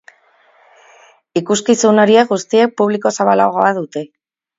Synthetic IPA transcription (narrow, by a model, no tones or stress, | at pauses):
ikuskisuno̞ɾieɣust̪ie̞k̚puβliko̞saβalaɣoaðut̪e̞